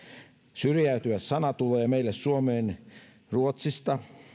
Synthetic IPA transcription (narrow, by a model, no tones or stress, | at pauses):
syrjæyt̪yʋæssɑnɑt̪uleːmeilːessuomeːn | ruot̪sist̪ɑ